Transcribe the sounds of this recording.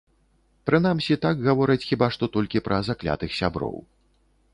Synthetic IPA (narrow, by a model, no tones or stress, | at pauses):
pɾɨn̪amsʲit̪aɡɣavɔɾɨt͡sʲxʲibaʂt̪ɔt̪ɔlʲkʲipɾʔɐzaklʲa̰t̪ɨxsʲabɾɔ̰w